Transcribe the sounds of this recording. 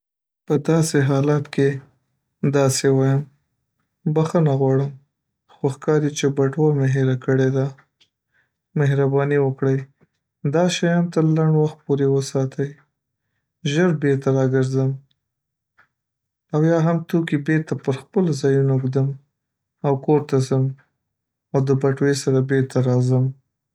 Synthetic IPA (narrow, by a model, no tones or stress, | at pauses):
pəd̪ɑseɦɑlat̪kʰe | d̪ɑsewɑjəm | baxənaɣwɑɽəm | xoxkɑɾit͡ʃebaʈwɑmeɦeɾakəɽed̪a | meɦɾabɑniwəkɽəj | d̪ɑʃɑjɑnt̪əɾlaɳɖwaxt̪̚poɾewəsɑt̪ʰəj | ʒəɾbeɾt̪aɾɑɡəɾzəm | awjɑɦamt̪ukibeɾt̪apəɾxpəlzɑjunoɡd̪əm | awkoɾt̪azəm | awd̪əbaʈwesaɾabeɾt̪aɾɑzəm